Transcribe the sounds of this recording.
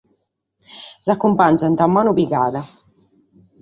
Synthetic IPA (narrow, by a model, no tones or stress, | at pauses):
zakːumpand͡ʒant̪amːaːnuβiɣaːða